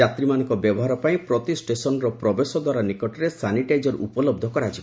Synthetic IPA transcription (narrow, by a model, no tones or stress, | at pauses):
at̪ɾimanɔŋkɔbjɔbɔɦaɾɔpaĩpɾɔt̪isʈesɔnɔɾɔpɾɔbesɔd̪waɾanikɔʈɔɾesaniʈajd͡ʒɔɾṵpɔlɔb̚d̪ʱɔkɔɾat͡ʃʰib